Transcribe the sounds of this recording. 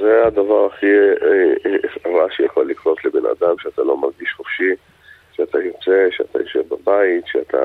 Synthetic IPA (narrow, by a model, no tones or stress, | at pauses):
zead̪avaʁaχi | fʁaʃejaχolːikʁo̞t̪lebena̰d̪amʃeat̪alo̞maʁɡiʃχofʃi | ʃeat̪ʰajot͡se̞ʃeat̪a̰joʃevbabait̪ʃeat̪ʰa̰